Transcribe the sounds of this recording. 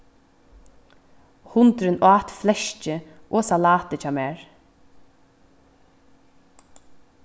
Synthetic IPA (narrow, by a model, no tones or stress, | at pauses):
hʊnt̪ɾɪnaːt̪flɛʃt͡ʃɪʔɔːsalaːt̪ɪt͡ʃʰɑːmɛːɹ